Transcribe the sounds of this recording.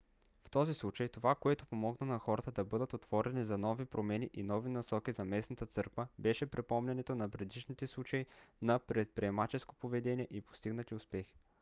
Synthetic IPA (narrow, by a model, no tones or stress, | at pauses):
ft̪ɔzislˠut͡ʃəjt̪ovakoɛt̪opomɔɡnənɐxɔɾət̪əd̪ɐbɤd̪ət̪ot̪v̥ɔɾɛnizɐnɔvipɾomɛniʔinɔvinɐsɔkizɐmɛsnɐt̪ət̪sɤɾkvəbɛʃɛpɾɛpɔmnʲɛnɛt̪onɐpɾɛd̪iʃnit̪ɛslˠut͡ʃɐinɐpɾɛt̪̚pɾiɛmat͡ʃɛsko̥povɛd̪ɛniɛʔipo̥st̪iɡnət̪iʊspɛxi̥